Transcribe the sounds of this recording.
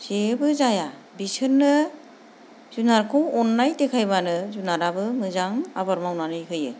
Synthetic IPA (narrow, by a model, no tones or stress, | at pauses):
z̥ebɯzaja | bisʰɯnːɯ | z̥unaɾkʰɯwɔnːajtekʰajβanɯzunaɾabɯmɯzaŋabaɾmawnanɯjkʰɯjɯ